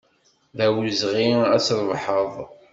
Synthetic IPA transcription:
ðæwzʁiæsɾˤvħəðˤ

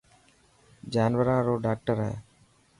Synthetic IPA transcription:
d͡ʒaːnʋəɾãːɾoːɖaːk̚ʈəɾɦɛ̰ː

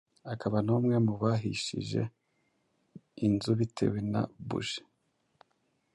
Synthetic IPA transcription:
akaβanumŋe̞muβaɦḭʃḭʒe̞̰ | inzuβitʰe̞̰wena̰bṵʒe̥

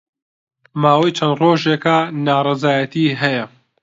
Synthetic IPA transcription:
maːwɐjt͡ʃʰɐnd̪roːʒeːkanaːrˤɑzaːjɐt̪ʰiːɦɐjɐ

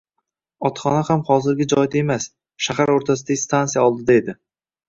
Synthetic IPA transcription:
ɒt̪χɒnahamχɒzɪɾɡʲad͡ʒɒjɪd̪ae̞mas | ʃahaɾoɾt̪ʰasɪd̪aɡʲɪst̪ʰanijaɒlˠd̪ɪd̪ae̞d̪ɪ

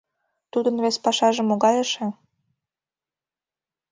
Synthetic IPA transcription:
t̪ud̪ənβespɑʃɑʒə̆mːoɣɑjəʃĕ

